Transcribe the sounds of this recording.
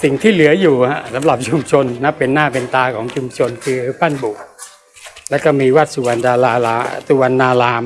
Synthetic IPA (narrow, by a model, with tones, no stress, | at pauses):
si˨˩ŋt̪ʰiː˥˩lɯ˨˩˦ɐjuː˨˩ka˦˥sa˩˦mla˨˩p̚t͡ɕʰu˧mt͡ɕʰo˧nːa˦˥pːe˧nːaː˥˩pe˧nt̪aː˧kʰɔː˩˦ŋt͡ɕʰu˧mt͡ɕʰo˧nkʰɯː˧˦˥pa˥˩nbu˨˩k̚ | lɛː˦˥wkɔ˥˩miː˧waː˦˥˩t̪̚su˧wa˧naː˧laː˧su˧wa˧nːaː˧laː˧m